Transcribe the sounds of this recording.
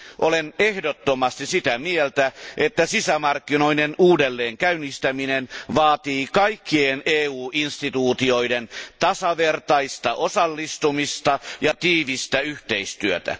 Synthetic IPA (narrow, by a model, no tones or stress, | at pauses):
ʔolenehdot̪ːomɑst̪isit̪æmielt̪æʔet̪ːæsisæmɑrkːino̞inenuːdelːeːŋkæynist̪æminenʋɑːt̪iːkɑikːieneːuːʔinst̪it̪uːt̪io̞ident̪ɑsɑʋert̪ɑist̪ɑʔosɑlːist̪umist̪ɑjɑt̪iːʋist̪æyht̪eist̪yøt̪æ̰